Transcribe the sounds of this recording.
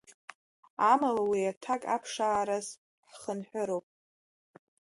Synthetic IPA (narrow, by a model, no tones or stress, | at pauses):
amalawiatʰakʼa̰pʰʂaːɾaz | ħχənħʷᶣʊɾowpʼ